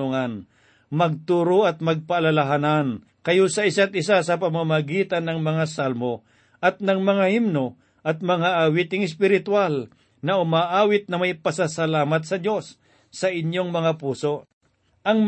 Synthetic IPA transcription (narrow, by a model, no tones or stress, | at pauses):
uŋan | mɐɡ̚t̪uːɾoɐt̪̚mɐɡ̚paːlalaɦanan | kɐjusɐʔɪsat̪ʔɪsasɐpɐmamaɡiːt̪anːɐŋmɐŋasalmo | ʔɐt̪̚nɐŋmɐŋahimno | ʔɐt̪̚mɐŋaʔawit̪ɪŋɪs̬pɪɾɪt̪wal | nɐʊmaʔaːwɪt̪̚nɐmɐjpɐsasɐlaːmɐt̪sɐdo̞sː | ɐʔɪɲjoŋmɐŋapuːso̞ʔ | ʔɐŋm